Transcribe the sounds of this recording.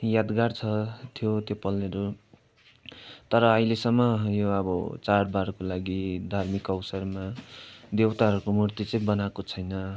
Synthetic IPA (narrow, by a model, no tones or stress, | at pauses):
jad̪ɡaɽt͡sʰʌt̪ʰjot̪jopʌlːeɾu | t̪ʌɾʌʌilesʌmːʌjoʌbʌ̰t͡sarbaɾkolaɡid̪ʱarmikʌwsʌrmad̪ewt̪aɦʌɾukomurt̪it͡sĩbʌnakot͡sʰʌjnʌ